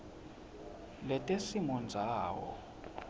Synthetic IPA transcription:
lɛtʼesimɔnd͡zʱaːwɔ̰

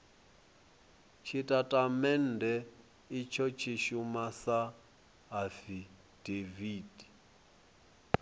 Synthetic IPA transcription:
t͡ʃʰitʼatʼamɛn̩dɛ | it͡ʃʰɔt͡ʃʰiʃumasa | ɦafi | d̥eviːd̥i

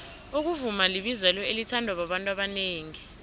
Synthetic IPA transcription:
uk̬uvumaliɓizɛlɔelitʰandʱwaɓ̬aɓantʼwaɓaneːŋi

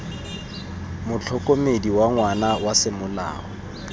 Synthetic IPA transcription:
mʊt͡ɬʰɔkʼomediwaŋwanawasɪmʊla̰ːɔ

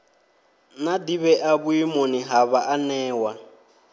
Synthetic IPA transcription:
nadiβɛʔaβuimoniɦaβaʔanɛːwa

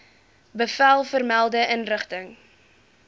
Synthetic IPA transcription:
bəfælˠfərmælˠdəʔənrəχtəŋ

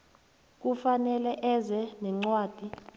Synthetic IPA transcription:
k̬ufanɛlɛʔɛzɛnɛŋ͡ǀwaːd̥ʱi

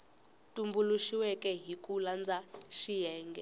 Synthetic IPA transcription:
tʼumbuluʃiwɛkʼɛɦikʼuland͡zaʃijɛːŋɡɛ

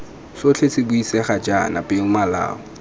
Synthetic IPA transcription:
sot͡ɬʰesɪbuisɛχad͡ʒana̰pʼɪŋ̩mala̰ːɔ

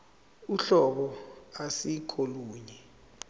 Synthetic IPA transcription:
uɬɔɓɔasikʰoluːɲɛ

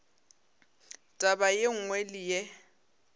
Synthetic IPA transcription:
tʼabajeŋ̩ŋwɛlɪjɛ

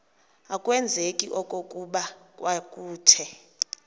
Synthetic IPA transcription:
akʼwɛnd͡zʱekʼiʔɔkʼokʼuɓakʼwakʼuːtʰɛ

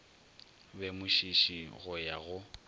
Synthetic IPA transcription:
bɛmʊʃiʃiɣʊjaɣʊ

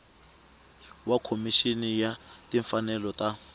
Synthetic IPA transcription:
wakʰomiʃinijatiɱfanɛlɔta

